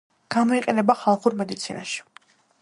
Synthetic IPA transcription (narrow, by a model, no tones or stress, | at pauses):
ɡ̥amɔiqʼɛnɛbaχalˠχuɾmɛd̪it̪sʰina̰ʃi̥